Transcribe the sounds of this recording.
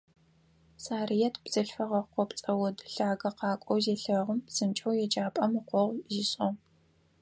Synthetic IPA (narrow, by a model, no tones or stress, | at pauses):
saːrijɛtʰb̥z̥ɐɬfɐʁɐqʷɔpt͡sʼɐwɐdɬaːɡɐqɑːkʷʼɔwzeːɬɐʁəmzɨnt͡ʃʼɐwjɛd͡ʒaːpʼɐmiqʷɔʁʷziɕʼɐw